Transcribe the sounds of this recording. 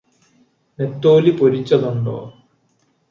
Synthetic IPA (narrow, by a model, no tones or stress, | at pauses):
net̪ːoːlipoɾit͡ɕːɐðuɳɖo̰ː